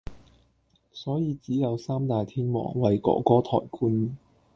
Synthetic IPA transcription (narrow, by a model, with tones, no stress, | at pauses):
sɔː˨˥jiː˨˧t͡siː˨˥jɐ˨˧wsaː˥mt̪aː˨jt̪ʰiː˥nmɔ̰ː˨˩ŋwɐ˨jkɔ̰ː˨˥kɔː˨˥t̪ʰɔ̰ː˨˩jkʰuː˧n